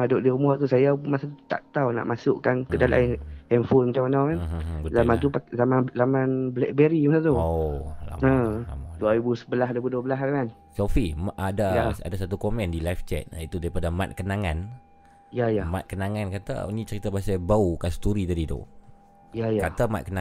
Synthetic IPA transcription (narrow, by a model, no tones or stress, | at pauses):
madʊʔdiumɔt̪usajamasat̪ut̪a̰ʔt̪awna̰ʔmasʊʔkankədala̰hɛnfulmat͡ʃamanawkanəzamant̪upazamanzamanblɛ̰k̚bɛɾimasat̪uola̰əa̰maduaɾibusəbəlaɦdabudubəlaɦakan | sofimadaasa̰dasat̪ukomɛ̃ndilajft͡ʃɛ̰t̪̚it̪udaɾipadama̰t̪̚kənaŋan | ijajama̰t̪̚kənaŋankat̪a̰nĩt͡ʃəɾit̪abasajbaukanst̪uɾit̪adit̪o̰ | jajakat̪ama̰t̪̚kəna